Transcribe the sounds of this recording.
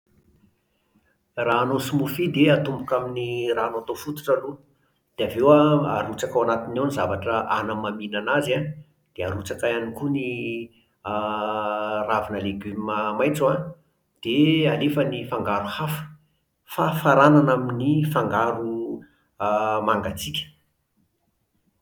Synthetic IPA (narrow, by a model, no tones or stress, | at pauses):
raːnosumufid̪eat̪umbukaminiraːnot̪ofut̪u̥ʈ͡ʂəlun | d̪̥eavewaa̰ɾut͡sakawanat̪inewnizavaʈ͡ʂəʔanəmaminanaza | d̪̥ea̰ɾut͡sakaanikuni | ravinəleɡymməmajt͡swa | d̪̥ealefənifaŋɡaɾuhafə̥ | fafaɾananaminifaŋɡaɾu | maŋɡat͡sikʲə̥